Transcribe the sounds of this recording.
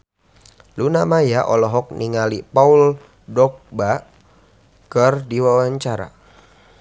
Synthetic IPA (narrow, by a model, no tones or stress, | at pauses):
lunamajaʔɔlɔɦɔk̚niŋalipaul | dɔk̚ba | kərdiwawaɲt͡ʃaɾa̰